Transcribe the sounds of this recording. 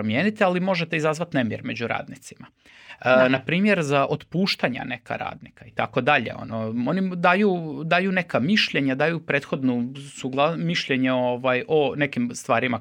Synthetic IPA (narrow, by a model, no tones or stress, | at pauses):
ɾomje̞ːnit̪ialimo̞ʒet̪eizazʋat̪nemjeɾme̞d͡ʑuɾa̰ːd̪nit̪sima | napɾiːmje̞ɾzaʔot̪puːʃt̪aɲa̰ne̞ka̰ɾa̰ːd̪nikait̪ako̞d̪aʎe̞̰o̞̰noo̞nid̪aːjuːd̪aːjune̞kamiʃʎeɲad̪aːjupɾeːt̪xo̞d̪nosuɡlˠamiʃʎe̞ɲeoʋajʔo̞ne̞kimst̪ʋaːɾima